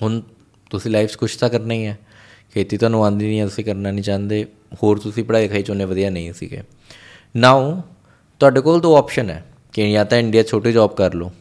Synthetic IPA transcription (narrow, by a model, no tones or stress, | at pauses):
ɦʊn | t̪ʊsĩːlaːifskʰʊːʃt̪aːkəɾnaːĩːɛː | kʰeːt̪iːt̪owaːnũːãːnd̪iːnĩːɛ̃ːt̪ʊsĩːkəɾnaːnĩːt͡ʃãːnd̪eː | hoːɾt̪ʊsĩːpəɽaːid̪kʰaːiːt͡ʃʊnẽːʋəd̪ijaːnəĩːsḭːɡḛː | naːõ | t̪ʊaːɖeːkoːld̪oːɔːpʃənɛ̰ː | kejãːt̪ãːɪɳɖijaːt͡ʃʰoːʈeːd͡ʒɔːbkəɾloː